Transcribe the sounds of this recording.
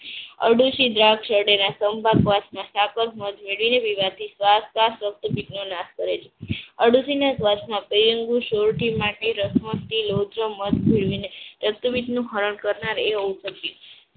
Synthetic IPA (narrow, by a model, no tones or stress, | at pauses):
ə̰ɽuʃid̪ɾakʃəɽenasəmbʱakʋasmãsakəɾmət̪meɭʋineʋiʋat̪ʰisʋaskasɾək̚t̪ubit̪nonaskəɾet͡ʃʰe̥əɽuʃinasʋat͡ʃmãpɾijəŋɡuʃoɾʈimaʈeɾəsməst̪ilod̪ɾəməd̪bʱiɭʋineɾək̚t̪ubit̪nũɦəɾəɳkəɾnaɾeɦousəkju